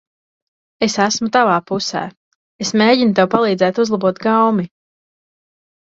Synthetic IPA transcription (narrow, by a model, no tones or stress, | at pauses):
esæsmut̪avaːpusæ̰ː | esmeːɟinut̪̬ɛwpalˠiːd̪zɛːt̪uzlˠabuɔt̪ɡawmi